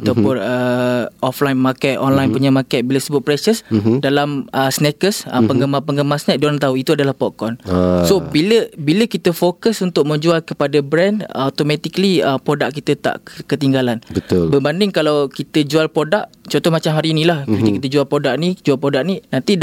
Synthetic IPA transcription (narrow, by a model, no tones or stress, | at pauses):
at̪awpʊnəɔflajnmakɛt̪̚ɔnlajnpuɲamakɛt̪̚biləsəbʊt̪̚pɾɛsəsdalaməsnɛkəsə̰pəŋɡəmapəŋɡəmasnɛk̚dolaŋt̪auit̪uadalahpɔkɔnsobiləbiləkit̪əfokəsunt̪ʊʔ̚mə̃ɲd͡ʒualkəpadabɾɛndat̪omɛ̃t̪ikliəpɾodaʔ̚kːit̪ət̪a̰ʔkət̪iŋɡalanbət̪ʊlbəbandɪŋkalawkit̪əd͡ʒualpɾodaʔt͡ʃɔ̃nt̪ɔhmat͡ʃamɦaɾinĩlahpit̪əkit̪̬əd͡ʒualpɾodak̚nid͡ʒualpɾodaʔ̚ninãnt̪id